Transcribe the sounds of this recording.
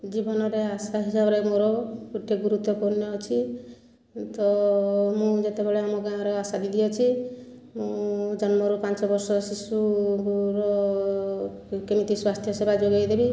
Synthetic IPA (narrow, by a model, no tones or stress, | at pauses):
d͡ʒibɔnɔɾeasaɦisabɔɾemoɾɔkuʈʰeɡuɾut̪ɔpɔnjɔːt͡ʃʰi | t̪ɔmũd͡ʒet̪ebeɭeamɔɡãɾɔasad̪id̪ʱiɔt͡ʃʰi | mũd͡ʒɔnmɔɾopãnt͡ʃɔbɔɾsɔsisukuɾɔ | kemit̪iswast̪ʰjɔsebad͡ʒoɡajd̪ebi